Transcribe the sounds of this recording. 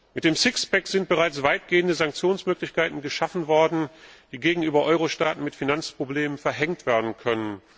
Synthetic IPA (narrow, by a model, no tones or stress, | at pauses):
mɪt̚d̥eːmsɪksb̥ɛkz̥ɪnt̚b̥əʁat͡sv̥aɪt̚ɡ̥eːəndəzaŋk̚t͡sjoːnsmøːklɪçkaɪtn̩ɡəʃafn̩vɔɐdn̩d̥iːɡeːɡŋ̩ʔyːbɐʔɔʏʁoʃtaːtn̩mɪtfinant͡spʁ̥obleːmənfɛɐɦɛŋtv̥eːɐdn̩kʰœnən